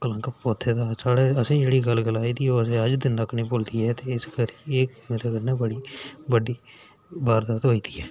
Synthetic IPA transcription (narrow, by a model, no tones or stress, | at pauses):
kələ̃ŋkəpoːt̪ʰeːd̪aːsaːɽeːəsĩːd͡ʒeːɽiːɡəlɡəlaːiːd̪iːoːəsẽːəd͡ʒd̪ɪnːəkʰːnĩːpoːld̪iːɛːt̪eːɪskəɾieːkmeːɾeːɡənːẽːbəɽiːbəɖiː | baːɾd̪aːt̪ɦoːiːd̪iːɛː